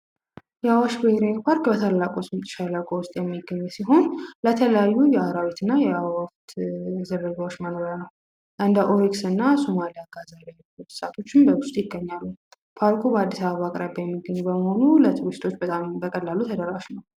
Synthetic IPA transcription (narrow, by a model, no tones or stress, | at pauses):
jɛawaʃbəheɾapʰaɾkbət̪ʰalːakʼosmt̪ʼɨ̥ʃalawkʼowʊst̪ʼjɛmːiɡːəɲːɛsiɦo̞nlət̪ʰələjajːujɛaɾawit̪ʰɨnːajɛawaft̪zɨɾɨɡawot͡ʃːmənoɾanəw | ʔɨnd̪əʔoɾiksɨnːasomalijaɡazalajlut̪sat̪ʰo̞t͡ʃːɪnbəwʊst̪ʼjɪɡːəɲːalːu | pʰaɾkʰubəad̪ːisaβaβakʼɾəbjɛmːiɡːəɲːubəməho̞nulət̪ʰɨɾɨst̪ʰo̞t͡ʃːbət̪ʼambəkʼəlːalut̪ʰəd̪əɾaʃnəw